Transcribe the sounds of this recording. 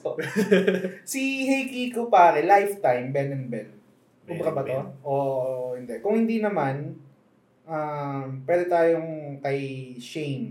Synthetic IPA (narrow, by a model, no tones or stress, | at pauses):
sihɛjkikopaːɾɛlajft̪ajmbɛnɛnbɛn | ʔʊbɾɐbɐt̪oʔoːʔohɪnd̪ɛkʊŋhɪnd̪inɐman | ʔampwɛːd̪ɛt̪aːjoŋkɐjʃejm